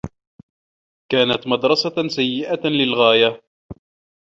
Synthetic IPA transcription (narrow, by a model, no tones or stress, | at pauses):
kaːnat̪mɑd̪ɾˤɑsasajːɪʔalɪlɣaːja